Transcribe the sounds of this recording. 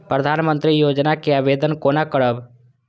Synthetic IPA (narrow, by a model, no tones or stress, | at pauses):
pɾəd̪ʱaːnmə̃nt̪ɾijoːd͡ʒnakeaːʋeːd̪ənkoːnakəɽəb